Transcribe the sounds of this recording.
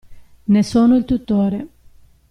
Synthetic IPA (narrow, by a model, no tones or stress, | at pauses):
nesoːnoilt̪ut̪ːoːɾe